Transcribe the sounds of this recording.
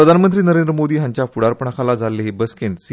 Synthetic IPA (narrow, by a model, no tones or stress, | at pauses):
ɾəd̪ʱanmənt̪ɾiːnəɾend̪ɾəmod̪iːɦãɲt͡ɕjafuɽaɾpəɳ̃akʰalad͡zʱalːeɦebəskʰens